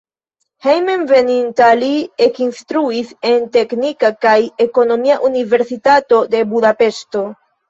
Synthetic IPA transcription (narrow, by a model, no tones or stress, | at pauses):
hejmenve̞nintaliekinstɾuise̞nte̞knikakajeko̞no̞miaʔunive̞ɾsitato̞de̞budape̞sto̞